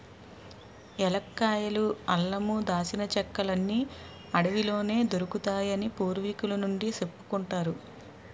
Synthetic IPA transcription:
ɛlɐkːaːjɐluɐlːɐmud̪aːsinɐt͡ʃɛkːɐlɐnːi | ɐɽɐʋilo̞ːne̞ːd̪oɾukut̪aːjɐnipuːɾʋikulɐnuɳɖisepːu̥kuɳʈaːɾu

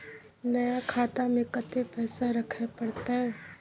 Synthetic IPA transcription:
nɐjakʰaːt̪amẽkət̪epɛːsaɾɐkʰapɐɽt̪aɦɛː

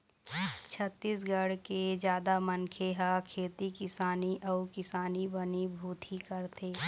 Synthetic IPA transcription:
t͡ʃʰət̪ːiːs̬ɡəɽked͡ʒjaːd̪amənkʰeɦakʰeːt̪ikɪsaːniʔəukɪsaːnibənibʱuːt̪ʰikəɾt̪ʰeː

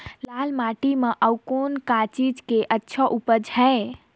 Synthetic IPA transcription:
lalmaʈimeʔəwkonkat͡ʃid͡ʒkeʔətːʃʰəʔupəd͡ʒʱəe

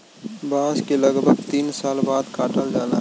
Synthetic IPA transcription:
baːzkelɐɡbʱəɡt̪iːnsaːlbaːd̪kaːʈəlɖaːlaː

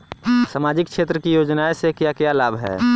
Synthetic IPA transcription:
samaːd͡ʒɪkʃeːt̪ɾəkijoːd͡ʒnaesekjakjalaːbʱɦɛ̰ː

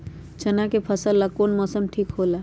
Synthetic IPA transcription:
t͡ʃənakepʰəsəlːakoːnmɔːsəmʈʰiːkɦoːla

